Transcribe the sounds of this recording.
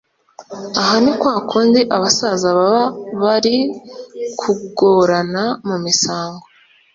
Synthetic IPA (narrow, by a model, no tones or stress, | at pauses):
aɦanikwaːkʰuːndiʔaβasazaβaβaβaɾi | kʰuɡoɾanamumisaːŋɡo